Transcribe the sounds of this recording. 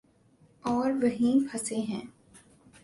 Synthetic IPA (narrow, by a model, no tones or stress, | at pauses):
ɔːɾʋɐɦĩpʰɐseɦɛ̃ː